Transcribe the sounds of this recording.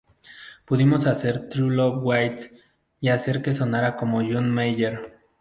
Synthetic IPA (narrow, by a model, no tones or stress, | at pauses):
puðimosaseɾt̪ɾulowajt̪s | iaseɾkes̬onaɾakomojunmeʎeɾ